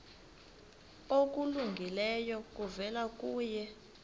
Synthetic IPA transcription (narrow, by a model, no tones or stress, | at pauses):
ok̬ʼuluŋɡʱilɛjɔk̬ʼuvɛlak̬ʼuːjɛ